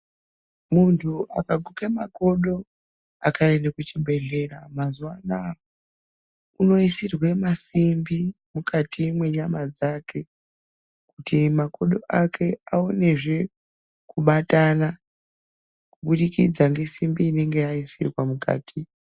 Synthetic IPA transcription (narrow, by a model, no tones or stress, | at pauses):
muntʰuʔakaɡʱukemako̞ɗo̞ | akʰanenekut͡ʃibʱe̞ɮe̞ɾamazuwana | uno̞isirwemasimbi | mukatimwe̞ɲamad͡zakʰe̞ | kutimako̞ɗo̞ʔakʰe̞aone̞ʐe̞ | kuɓatana | kuɓuɗikid͡zaŋɡe̞simbiːne̞ŋɡeaisirwamuka̰ːtʰi